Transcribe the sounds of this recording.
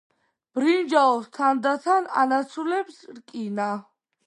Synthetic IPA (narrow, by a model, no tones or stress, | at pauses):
b̥ɾind͡ʒaɔst̪ʰand̪at̪ʰana̰nat̪sʰulɛbsɾkʼina